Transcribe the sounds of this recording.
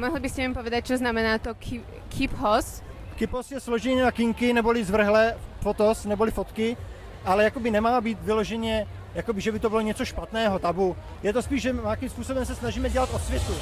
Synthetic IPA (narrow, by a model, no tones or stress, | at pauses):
mɔɦlɪbɪscɛimpoʋɛd̪ac̚t͡ʃoznamɛnaːt̪ok | kʰɪphɔs | kɪphosjɛsloʒɛɲɛnakɪŋkɪnɛbolɪzvr̩ɦlɛfot̪osnɛbolɪfot̪kɪ | ʔalɛjakobɪnɛmaːbiːt̪vɪloʒɛɲɛ | jakobɪʒɛbɪt̪obɪloɲɛt͡soʃpat̪nɛːɦot̪abu | jɛt̪ospiːʒʒɛmakimspuːso̞bɛmsɛsnaʒiːmɛɟɛlat̪ot̪svjɛt̪u